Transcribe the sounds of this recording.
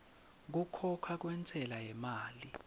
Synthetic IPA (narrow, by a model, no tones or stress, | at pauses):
k̬ukʰɔkʰak̬wɛnt͡sʰʼɛlajɛmaːli